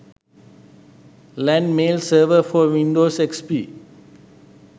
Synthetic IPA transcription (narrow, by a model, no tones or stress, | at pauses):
lɛ̃nmeːlsəːʋəfɔwĩndosɛkspi